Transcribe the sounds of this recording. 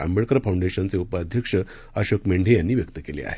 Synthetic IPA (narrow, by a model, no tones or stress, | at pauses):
a̰mbəɭkəɾafawɳɖeɕənt͡seupaːd̪ʱjəkʂə | əɕokmeɳɖʱejanːiːʋjək̚t̪əkelḛa̰ɦe